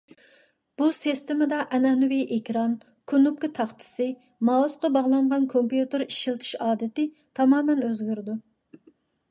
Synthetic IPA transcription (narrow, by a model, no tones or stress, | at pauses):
b̥usist̪ɪmɪd̪ɑʔɛnɛnuwiʔekʲɾɑn | kʰunup̚kʲɪt̪ʰɑχt̪ʰɨ̥sɨ | mɑusqɑbɑʁlˠɑɴʁɑnkʰompjut̪ɨɾiʃilˠt̪ʰɨ̥ʃɑːd̪ɪt̪ɪ | t̪ʰɑmɑːmɛnøzɡʲyɾɪd̪u